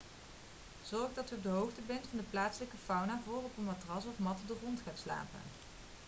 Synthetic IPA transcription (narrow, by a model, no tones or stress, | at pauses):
z̥ɔɹχdɑtyɔb̚dəɦowχtəbɛntfɑndəplaːtsələkəfɑwnaːvoːrɔpənmatrɑsɔfmɑtədorɔntχaːtsla̰ːpə̰n